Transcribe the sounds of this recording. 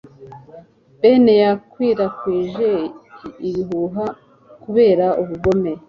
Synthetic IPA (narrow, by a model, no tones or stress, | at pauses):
benejakwiːɾakwiːʒeiβiɦuɦa | kuβe̞ːɾaʔuβuɡo̞me